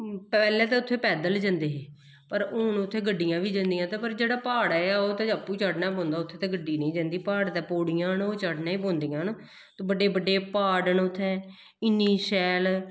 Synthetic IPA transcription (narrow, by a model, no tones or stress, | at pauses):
pɛːlɛ̃ːt̪̬ɛːʊt̪ʰːeːpɛːd̪əld͡ʒãːnd̪eːɦeː | pəɾʊːnʊt̪ʰːeːɡəɖːijãːʋiːd͡ʒãːnd̪ijãːt̪eːpəɾd͡ʒeːɽaːpaːɽɛːaːoːt̪ɛːəpːuːt͡ʃaːɖnaːbõːnd̪aːʊt̪ʰːeːt̪ɛ̃ːɡəɖːiːnə̃ĩːd͡ʒãːnd̪iːpaːɽt̪ɛːpoːɽijãːnoːt͡ʃaːɖnãːiːbõːnd̪ijãːn | t̪obəɖeːbəɖːeːpaːɖənʊt̪ʰːɛ̃ː | ɪnːiːsɛːl